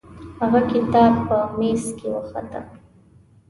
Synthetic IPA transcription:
haɣakɪt̪ɑb̚pəmeskewəxa̰d̪a̰

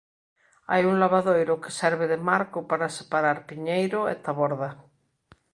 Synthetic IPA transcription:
a̰juŋlaβaðojɾoke̥sɛɾβeðemaɾkopaɾase̥paɾaɾpiɲejɾoḛt̪aβoɾða

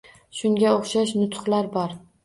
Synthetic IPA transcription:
ʃʊŋɡʲaoχʃaʃnʊt̪χlaɾbɒɾ

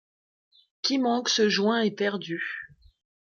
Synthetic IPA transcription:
kʲimɑ̃ksəʒwɛ̃ɛpɛʁd̪y

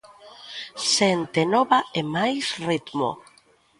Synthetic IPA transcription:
sent̪enɔβaemajsrit̪mo̰

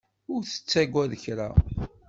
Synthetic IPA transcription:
ʊɾθə̥t͡sːæɡʷæðəçɾa

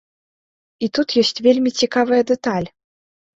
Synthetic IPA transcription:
it̪ut̪jɔsʲt͡sʲvʲelʲmʲit͡sʲikavɐjɐd̪ɛt̪alʲ

